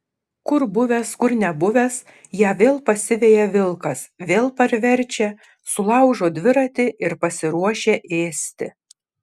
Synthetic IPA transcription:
kʊɾbʊʋʲɛskʊɾnʲɛbʊʋʲɛs | jæːʋʲeːlˠpɐsʲɪʋʲeːjɛʋʲɪlˠkɐsʋʲeːlˠpɐɾʲʋʲɛɾʲt͡ʃʲɛ | sʊlˠɑʊʒoːd̪ʲʋʲɪɾɐt̪ʲɪʔɪɾpɐsʲɪɾuɔʃʲeːʔeːsʲt̪ʲɪ

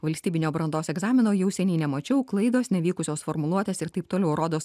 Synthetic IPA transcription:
ʋɐlʲsʲt̪ʲiːbʲɪnʲoːbɾɐnd̪oːsɛɡzɑːmʲɪnoːjɛʊsʲɛnʲɛɪnʲɛmɐt͡ʃʲɛʊklˠɐɪd̪oːsnʲɛʋʲiːkʊsʲoːsfoːɾmʊlˠuɔt̪ʲeːsɪɾt̪ɐɪp̚t̪oːlʲɛʊɾoːd̪oːs

